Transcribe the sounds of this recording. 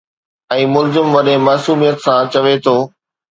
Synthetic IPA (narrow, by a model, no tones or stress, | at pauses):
ɛ̃ːmʊlzɪmʋɐɗẽmaːsuːmijət̪sãt͡ɕɐʋet̪ʰoː